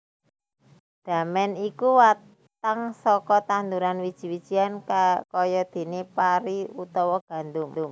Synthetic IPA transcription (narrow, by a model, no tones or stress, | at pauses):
d̪̥a̤mɛnikuwa | t̪aŋsɔkɔt̪and̪uɾanwid̥ʒ̥i̤wid̥ʒ̥i̤anakɔjɔd̪̥e̤nepaɾiut̪ɔwɔɡ̥a̤nd̪ʊŋʊŋ